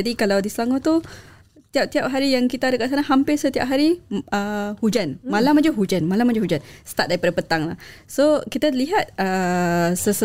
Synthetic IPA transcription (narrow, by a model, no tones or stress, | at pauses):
d͡ʒadikalawdisəlaŋot̪u | t̪iap̚t̪iap̚ɦaɾijaŋkit̪adəkaʔs̬anaɦampɪrsət̪ia̰p̚ɦaɾiəhud͡ʒanmalamad͡ʒəɦud͡ʒanmalamad͡ʒuhud͡ʒansə̥t̪at̪̚daɾipadapət̪aŋla̰hsokit̪aliɦat̪̚əsəsə